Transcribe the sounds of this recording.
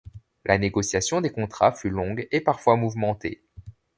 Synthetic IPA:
lʔaneɡɔsjasjɔ̃d̪ekɔ̃t̪χafylɔ̃ɡepaʁfwamuvmɑ̃t̪ḛ

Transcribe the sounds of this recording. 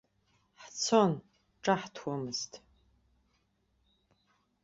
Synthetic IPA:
ħt͡sʰon | ʈ͡ʂʼaħtʰwamɨz̥tʰʼ

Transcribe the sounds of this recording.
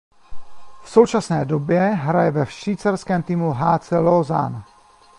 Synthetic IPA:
fso̞wt͡ʃasnɛːdo̞bjɛɦɾajɛvɛfʃviːt͡saɾskɛːmt̪iːmuɦaːt͡sɪloza̰n

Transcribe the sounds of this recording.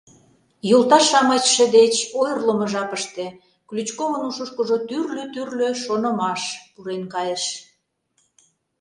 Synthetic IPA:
jult̪ɑʃɑmɑt͡ɕʃed̪et͡ɕojrləmə̆ʒɑpəʃt̪e | klyt͡ɕkomənuʃoʃkəʒot̪yrløt̪yrløʃonə̆mɑʃpuɾenkɑjəʃ

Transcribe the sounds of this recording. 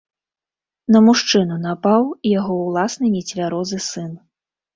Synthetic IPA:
nɐmuʂt͡ʂɨnunapawijaɣɔwlˠasnɨnʲɛt͡sʲvʲaɾɔzɨsɨn

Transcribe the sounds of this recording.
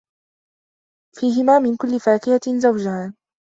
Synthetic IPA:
fiːɦɪmaːmɪnkʊlːɪfaːkɪhazawd͡ʒahaː

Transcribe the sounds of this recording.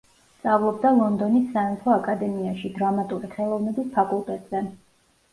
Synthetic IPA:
st̪sʼavlˠɔbd̪alˠɔnd̪ɔnisːaɛnt̪ʰɔakʼad̪ɛmiaʃid̪ɾamat̪ʼuɾiχɛlˠɔvnɛbispʰakʼulˠt̪ʼɛt̪ʼz̥ɛ

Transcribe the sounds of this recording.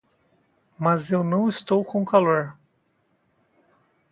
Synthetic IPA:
mɐzewnɐ̃w̃ɪst̪owkõw̃kaloɾ

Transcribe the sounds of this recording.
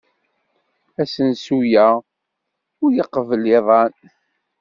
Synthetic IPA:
æsənsujæ | ʊɾjəqːəvəlɪðˤɑn

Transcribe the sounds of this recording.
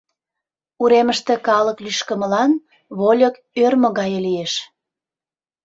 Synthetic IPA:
uɾeməʃt̪ĕkɑləklyʃkəməlɑn | βolʲək | ørmoɣɑjəlijeʃ

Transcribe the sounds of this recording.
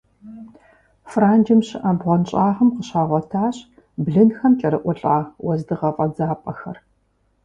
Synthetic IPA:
fraːnd͡ʒɪmɕɪʔɐbʁʷɐnɕʼaːʁɐmqəɕaːʁʷɔtʰaːɕ | bɮɨnxɐmt͡ʃʼɐɾɨʔʷʊɬʼaːwɐzdɨʁɐfʼɐd͡zaːpʼɐxɐ̰r

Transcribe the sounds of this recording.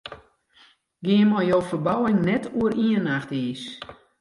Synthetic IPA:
ɡɪənmɔjjoːfərbawɪŋnɛtʰuəɾiənaxtiːs

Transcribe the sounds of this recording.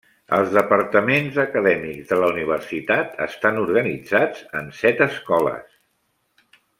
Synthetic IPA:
əlˠzðəpəɾt̪əmenzəkəðɛmikzðələuniβ̞ərsit̪at̪ʰə̰st̪anuɾɣənid͡zad͡zə̰nsɛt̪əskɔlə̰s

